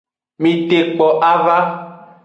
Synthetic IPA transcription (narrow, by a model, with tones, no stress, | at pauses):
mĩ˨t̪e˨k͡pɔ˨ʔa˦va˦